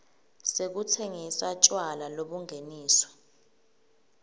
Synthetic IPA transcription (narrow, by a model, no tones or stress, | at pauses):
sek̬ut͡sʰeŋisat͡ʃʼwalaloɓuŋʱeniːswɔ̥